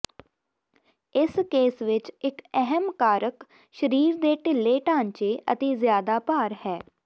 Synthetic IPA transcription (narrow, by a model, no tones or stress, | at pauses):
ɪskeːsʋɪt͡ʃɪkɛɦəmkaːɾək | ʃəɾiːɾd̪eːʈɪlːeːʈãːɲt͡ʃeːʔə̰t̪eːzjaːd̪aːpaːɾhɛː